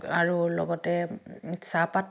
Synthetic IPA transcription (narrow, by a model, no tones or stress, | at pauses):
aɹulɔ̰ɡɔtɛsapat